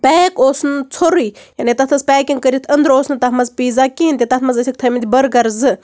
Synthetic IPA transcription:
pʲɛːkoːsnt͡sʰoɾijaːnit̪ɐt̪ʰɐspʲɛːkʲiŋkəɾʲit̪ʰɐnd̪ɾoːsnt̪ɐɦmɐzpiːzakʲiint̪ʲit̪ɐt̪ʰmɐzɐsʲik̚t̪ʰɐmint̪ʲbɐɾɡɐɾzɨ

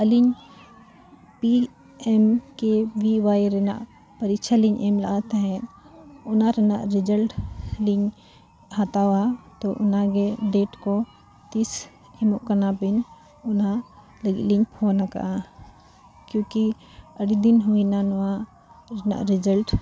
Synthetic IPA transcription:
əliɲ | pi | ɛmkɛʋiwajɾɛna̰ʔ | pəɾik̚t͡ʃʰaliɲʔɛmla̰ʔat̪aɦɛ̃n | ʊnaɾɛna̰ʔɾid͡ʒəlʈliɲ | hat̪awat̪ɔʔʊnaɡɛɖɛːʈkɔ | t̪is | ɛmʊʔkənapin | ʊna | ləɡḭliɲpʰɔnaka̰ʔã | kjũki | əɽid̪inɦuinanɔwa | ɾɛna̰ʔɾɪd͡ʒəlʈ

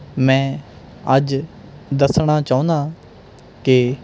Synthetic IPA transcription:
mɛ̃ː | əd͡ʒ | d̪əsɽ̃aːt͡ʃaːũːnd̪aː | ke

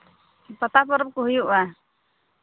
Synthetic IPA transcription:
pɔt̪apɔɾɔp̚kɔɦujuʔa

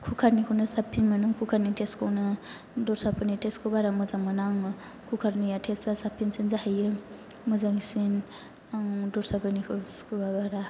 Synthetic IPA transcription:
kʰukʰaɾnikʰɯwnɯsapʰːinmanɯŋkʰukʰaɾnitʰeskʰownɯ | dɔɾsapʰɯnitʰeskʰɯbaɾamɯzaŋmanaŋ | kʰukʰaɾnijatʰesasapʰːinsinzahajɯ | mɯzaŋsin | aŋdɔɾsapʰanikʰɯskʰubabaɾa

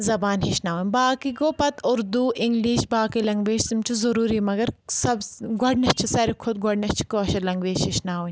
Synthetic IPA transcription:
zɐbaːnɦiʃnaːʋunʲbaːkiɡoːpɐt̪ʊɾd̪uːʔɪŋɡliːʃbaːkilɐŋɡʋeːʃsimt͡ʃʰuzɐɾuːɾimɐɡɐɾsɐbɡoɖnɐt͡ʃʰisɐɾikʰʊd̪̚ɡɔɽnɐt͡ʃʰi̥koːʃɐlɐŋɡʋeːʃɦiʃnaːʋuɲ

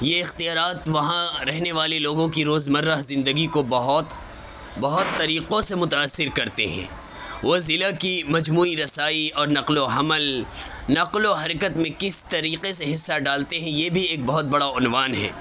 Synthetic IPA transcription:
jeɪxt̪ijaːɾaːt̪ʋɐɦãɾɛɦneʋaːleloːɡõkiɾoːzmɐɾːəɦzɪ̃nd̪əɡikobɐɦt̪ | bɐɦʊt̪ːɐɾiːqõsemʊt̪aːsːɪɾkɐɾt̪ḛɦɛ̰̃ː | ʋoːzɪlakimɐd͡ʒmuːiɾɐsaːiɔːɾnɐqloɦɐməl | nɐqloɦɐɾkət̪mẽkɪst̪ɐɾiːqeseɦɪsːaɖaːlt̪eɦɛ̃jeːbʱieːk̚bɐɦʊt̪̚bɐɽaʊnʋaːnɦɛ̰ː

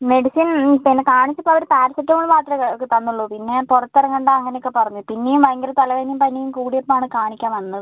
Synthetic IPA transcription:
me̞ɽisinpinːekaːɳit͡ɕːɐpːoɐʋɐɾupaːɾɐsɐʈːɐmuɭːuʋaːt̪rɐkɐokːet̪ɐnːuɭːoːpinːeporɐt̪ːɐrɐŋɐɳɖaɐŋːɐnejokːepɐrɐɲːuðpinːejumʋɐjŋɡɐlɐt̪ɐlɐʋeːnijumpɐnːijumkuːɽijɐpːɐmaːɳɨkaːɳikʲːaːnʋɐnːɐðɨ

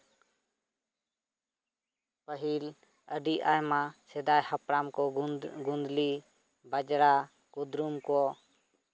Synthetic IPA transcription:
pəɦil | əɖiʔa̰jmasɛd̪ajhapɾamkɔɡund̪li | bad͡ʒɾa | kud̪ɾumkɔ

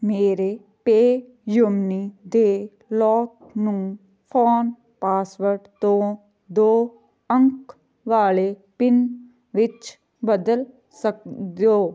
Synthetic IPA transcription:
meːɾe | peː | jʊmnid̪eː | lɔːk̚ | nũː | pʰɔːn | paːsʋəɾʈt̪õː | d̪oː | ə̃ŋk | ʋaːlepɪn | ʋɪt͡ʃ | bəd̪əl | sək̚d̪oː

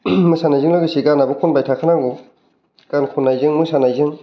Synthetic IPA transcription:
mɯsanajzɯŋlɯɡisiɡanabɯkʰunbajtʰakʰɯnaŋɡu | ɡ̥ankʰunːajzɯŋmɯsanajzɯŋ

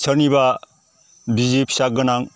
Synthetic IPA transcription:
sʰʌɾniba | bizipʰsak̚ɡɐnaŋ

